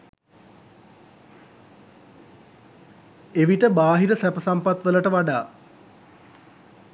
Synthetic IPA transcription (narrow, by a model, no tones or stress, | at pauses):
eʋiʈəbaːɦiɾəsæpəsampat̪ʋələʈəʋaɖaː